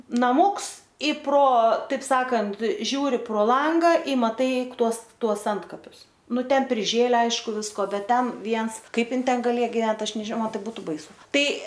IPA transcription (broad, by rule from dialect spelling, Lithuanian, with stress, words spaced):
nɐˈmuːks ɪ proː ˈtɐɪp ˈsɑːkɐnt ˈʒʲuːrʲɪ proː ˈlˠɐŋɡɐ ɪ mɐˈtɐɪ ˈtuɔs ˈtuɔs ˈɐntkɐpʲʊs ˈnʊ ˈtʲɛn pʲrʲɪˈʒʲeːlʲæː ˈɐɪʃkʊ ˈʋʲɪskoː ˈbʲɛt ˈtʲɛn ˈʋʲiɛns ˈkɐɪp ˈɪn ˈtʲɛn ɡɐˈlʲeːjɛ ɡʲɪˈʋʲɛnt ˈɐʃ nʲɛʒʲɪˈmɐn ˈtɐɪ ˈbuːtʊ bɐɪˈsʊ ˈtɐɪ